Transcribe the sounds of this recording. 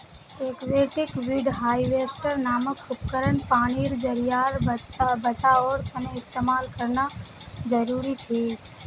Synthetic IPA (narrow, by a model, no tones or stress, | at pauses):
ekʋeʈikʋiɖɦaiʋesʈəɾnaməkupkəɾəɳpañiɾd͡ʒəɾijaɾbbət͡ʃaoɾt̪əneɪst̪emalkəɾnad͡ʒəɾuɾit͡ʃʰe